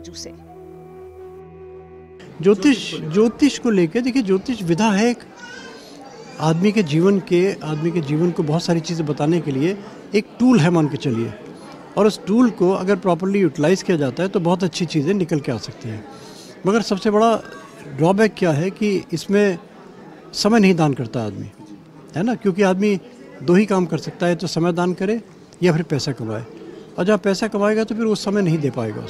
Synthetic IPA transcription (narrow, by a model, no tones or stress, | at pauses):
d͡ʒoːt̪ɪʃd͡ʒoːt̪ɪʃkoleːked̪eːkʰied͡ʒoːt̪ɪʃʋɪd̪ʱaɦɛeːk | aːd̪miked͡ʒiːʋənkeaːd̪miked͡ʒiːʋənkobɔɦʊt̪saːɾit͡ʃiːzẽbɐt̪aːnekelie | eːk̚ʈuːlɦɛmaːnket͡ʃɐliḛː | ɔːɾʊsʈuːlkoɐ̰ɡəɾpɾɔːp̬əɾlijuːʈɪlaːɪzkijad͡ʒaːt̪aɦɛt̪obɐɦʊt̪̬ɐtːʃʰit͡ʃiːzẽnɪkəlkeaːsɐk̚t̪iɦɛ̰̃ː | mɐɡəɾsɐbsebɐɽa | ɖɾɔːbɛːkːjaːɦɛkiɪsmẽ | sɐməjnɐɦĩd̪aːnkɐɾt̪aɦaːd̪mḭː | ɦɛːnakjõːk̬iaːd̪mi | d̪oːɦikaːmkɐɾsɐk̚t̪aɦɛt̪osɐməjd̪aːnkɐɾẽ | japʰɪɾpɛːsakɐma̰ːḛːɔːɾd͡ʒɐbapɛːsakɐmaːeɡat̪opʰɪɾʋosɐməjnɐɦĩd̪eːpaːḛːɡa̰ːʊ̰s